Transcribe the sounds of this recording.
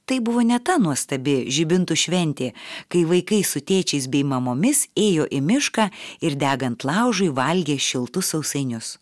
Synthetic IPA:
t̪ɐɪbʊʋoːnʲɛt̪ɐnuɔst̪ɐbʲɪʒʲɪbʲɪnt̪ʊʃʲʋʲɛnʲt̪ʲeːkɐɪʋɐɪkɐɪsʊt̪ʲeːt͡ʃʲɛɪsbʲɛɪmɐmoːmʲɪseːjoːʔɪmʲɪʃkɑːɪɾd̪ʲæːɡɐnt̪lˠɑˑʊʒʊɪʋɐlʲɡʲeːʃʲɪlˠt̪ʊsɐʊsɐɪnʲʊs

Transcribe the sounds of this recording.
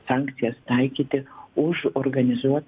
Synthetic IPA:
sɑːŋʲkt̪sʲɪjɛst̪ɐɪkʲiːt̪ʲɪʊʒoɾɡɐnʲɪzuɔt̪

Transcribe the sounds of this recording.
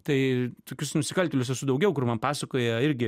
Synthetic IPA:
t̪ɐɪt̪oːkʲʊsnʊsʲɪkɐlʲt̪ʲoːlʲʊs̬ɛsʊd̪ɐʊɡʲɛʊkʊrmɐnpɑːsɐkoːjɛɪɾʲɡʲɪ

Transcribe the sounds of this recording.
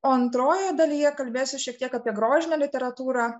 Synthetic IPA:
oːɐnt̪ɾoːjɛd̪ɐlʲijɛkɐlʲbʲeːsʲʊʃʲɛk̚t̪iɛkɑːpʲiɛɡɾoːʒʲɪnʲɛlʲɪt̪ʲɛɾɐt̪uːɾɑː

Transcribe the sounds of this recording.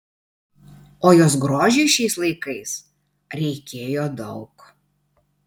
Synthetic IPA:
oːjoːs̬ɡɾoːʒʲɛɪʃʲɛɪslˠɐɪkɐɪs | ɾʲɛɪkʲeːjoːd̪ɒʊk

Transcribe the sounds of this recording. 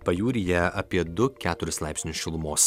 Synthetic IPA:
pɐjuːɾʲɪjɛɐpʲiɛd̪ʊkʲæːt̪ʊɾʲɪslˠɑˑɪpʲsʲnʲʊsʲʃʲɪlˠʊmoːs

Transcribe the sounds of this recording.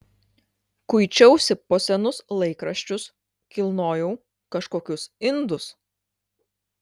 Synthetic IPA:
kʊjt͡ʃʲɛʊsʲɪpɔsʲɛnʊslˠɐɪkɾɐʃʲt͡ʃʲʊs | kʲɪlˠnoːjɛʊ | kɐʃkoːkʲʊsɪnd̪ʊs

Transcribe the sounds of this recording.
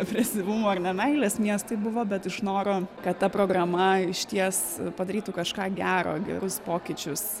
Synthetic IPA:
ɛpʲɾʲɛsʲɪʋʊmoɐrnʲɛnɛɪlʲeːsmʲiɛst̪ɐɪbʊʋoːbʲɛt̪ɪʃnoːɾoːkɐt̪t̪ɐpɾoːɡɾɐmɐɪʃʲt̪ʲiɛspɐd̪ɐɾʲiːt̪ukɐʃkɑːɡʲæːɾo̰ːɡʲɛ̰ɾʊspoːkʲɪt͡ʃʲʊs

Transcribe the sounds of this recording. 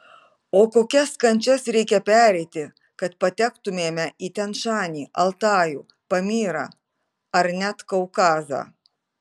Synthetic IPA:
oːkoːkʲɛskɐnʲt͡ʃʲɛsɾʲɛɪkʲɛpʲæːɾʲɛɪt̪ʲɪ | kɐt̪̚pɐt̪ʲækt̪ʊmʲeːmʲɛʔiːt̪ʲɛnʃɑːnʲiːʔɐlˠt̪ɑːjuː | pɐmʲiːɾɑ̰ː | ɐɾnʲæt̪kɐʊkɑːzɑ̰ː

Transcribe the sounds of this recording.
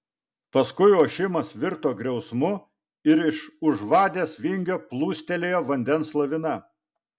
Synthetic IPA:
pɐskʊɪoːʃʲɪmɐsʋʲɪɾt̪oːɡɾʲɛʊsmʊ | ɪɾɪʃʊʒʋɑːd̪ʲeːsʋʲɪŋʲɡʲoːplˠuːsʲt̪ʲɛlʲeːjoːʋɐnʲd̪ʲɛnslˠɐʋʲɪnɐ

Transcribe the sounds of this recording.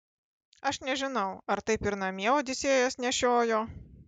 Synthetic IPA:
ɐʃnʲɛʒʲɪnɐʊɐɾt̪ɐɪpɪɾnɐmʲiɛoːd̪ʲɪsʲeːjɛsnʲɛʃʲoːjoː

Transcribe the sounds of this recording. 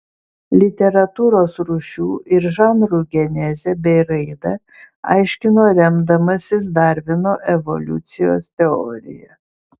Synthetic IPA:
lʲɪt̪ʲɛɾɐt̪uːɾoːsɾuːʃʲuːʔɪɾʒɑːnɾuɡʲɛnʲɛzʲɛbʲɛɪɾɐɪd̪ɐ | ɑ̰ɪʃʲkʲɪnoːɾʲɛmd̪ɐmɐsʲɪs̬d̪ɑˑɾʲʋʲɪnoːʔɛʋɔ̰lʲʊ̰t̪sʲɪjo̰ːst̪ʲɛɔ̰ːɾʲɪ̰jɛ

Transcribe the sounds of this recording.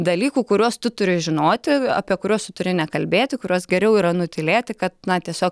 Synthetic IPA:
d̪ɐlʲiːkuːkʊɾʲuɔst̪ʊt̪ʊɾʲɪʒʲɪnoːt̪ʲɪɐ̰pʲiɛkʊɾʲoːst̪ʊt̪ʊɾʲɪnʲɛkɐlʲbʲeːt̪ʲɪkʊɾʲuːsɡʲɛɾʲɛʊiːɾɐnʊt̪ʲɪlʲeːt̪ʲɪkɐt̪nɐt̪ʲiɛsʲoːk

